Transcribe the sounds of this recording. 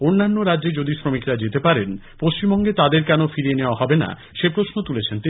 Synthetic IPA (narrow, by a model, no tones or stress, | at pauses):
onːanːoɾadʑed͡ʑod̪isɾomikɾad͡ʑet̪epaɾen | post͡ɕimbɔŋɡet̪ad̪eɾkɛnofiɾieneoaɦɔbena̰ | ʃepɾosnot̪ulet͡ɕʰent̪i